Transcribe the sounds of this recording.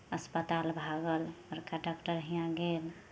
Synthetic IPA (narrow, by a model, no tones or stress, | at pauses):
əspət̪albʱaɡələɾkaɖɔkʈəɾɦijãɡel